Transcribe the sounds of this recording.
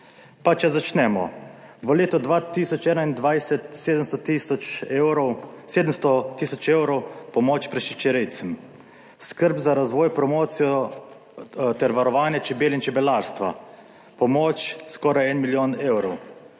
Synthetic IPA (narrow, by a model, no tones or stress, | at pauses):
pat͡ʃɛzat͡ʃnɛːmɔ̰ | ʋəleːt̪ɔd̪ʋaːt̪isɔt͡ʃɛːnaind̪ʋajsɛt̪seːd̪əmst̪t̪isɔɾseːd̪əmst̪ɔt̪iːsɔt͡ʃeːwɾɔwpɔmoːt͡ʃpɾɛʃit͡ʃɛɾɛjt̪sɛm | skəɾbzaɾazʋɔːjpɾɔmoːt̪sijɔ | t̪ɛɾʋaɾɔʋaːnjɛt͡ʃɛbeːlint͡ʃɛbɛlaːɾst̪ʋa̰ | pɔmoːt͡ʃskɔɾajɛnmiljoːneːwɾɔw